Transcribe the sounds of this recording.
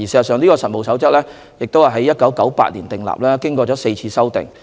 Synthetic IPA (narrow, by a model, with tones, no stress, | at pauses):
i˨˩sɛ˨˧zɐ˨tsœː˨˧ŋliː˥kɔː˧sɐ˨t̚mo˨˩wsɐ˨˥wt͡sɐ˥k̚lɛː˥ | jɪ˨k̚t̪whaː˨˩ɦɐ˨˥jːɐ˥t̚kɐ˨˥wkɐ˨˥wpa̰ː˧t̚liː˨˩nt̪ɪ˨ŋla̰ː˨p̚lɛː˥kɪ˥ŋkɔː˧t͡ɕɔː˨˥se˧jt͡sʰiː˧sɐ˥wt̪ɪ̰˨ŋ